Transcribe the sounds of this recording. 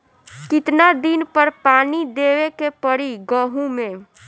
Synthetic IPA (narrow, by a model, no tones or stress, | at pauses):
kɪt̪nad̪ɪnpəɾpaːnid̪eːʋekepəɽiɡəɦũmẽ